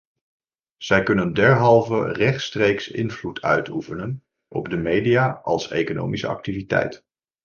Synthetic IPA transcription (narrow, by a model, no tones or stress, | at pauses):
z̥ɛjkɵnəndɛɹɦɑlˠvərɛχtstrejksɪ̰nvlutʰœ̰ɥtufənən | ʔɔb̚dəmejdijaːʔɑlˠsḛjkono̰wmisə̰ɑ̰k̚tivitɛ̰jt